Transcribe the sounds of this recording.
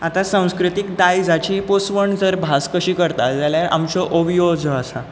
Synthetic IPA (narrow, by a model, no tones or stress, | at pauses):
at̪asãw̃skɾit̪ikd̪ajd͡zat͡ɕiːeposʋəɳd͡zəɾbʱaskəɕiːkəɾt̪at̪d͡zaljaɾa̰mt͡ɕɔʔobjod͡zɔasa